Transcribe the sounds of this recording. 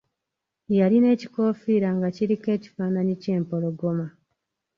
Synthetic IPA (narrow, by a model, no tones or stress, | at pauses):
jaɾine̞ːci̥ko̞ːfiːɾaŋɡaciɾike̞ːci̥faːnaɲice̞ːmpo̞loɡo̞ma